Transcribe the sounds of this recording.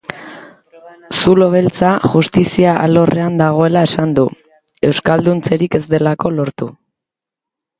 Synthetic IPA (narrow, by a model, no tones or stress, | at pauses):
sulo̞β̞elt͡saʝust̪isiaʔa̰lo̞rʔe̞and̪aɣ̞o̞e̞lae̞sand̪u | e̞wskald̪unt͡se̞ɾike̞zd̪e̞lako̞lo̞ɾt̪u